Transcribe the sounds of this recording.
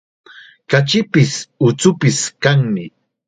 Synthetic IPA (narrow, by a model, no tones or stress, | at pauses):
kat͡ʃɪpɪsʊt͡sʊpɪskaŋmɪ